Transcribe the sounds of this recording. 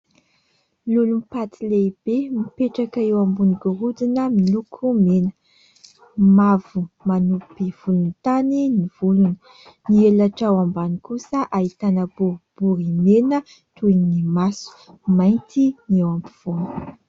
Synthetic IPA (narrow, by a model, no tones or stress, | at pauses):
lulumpat̪ileib̥emipeʈ͡ʂakaewambuniɡuɾud̪inəmilukʰumenə | mavumanupiv̥ulunit̪aniniv̥ulunə̥ | nielaʈ͡ʂawambanikusəʔait̪anəbuɾib̥uɾimenə | t̪uinnimasu̥ | majnt̪inewampi̥v̥on̥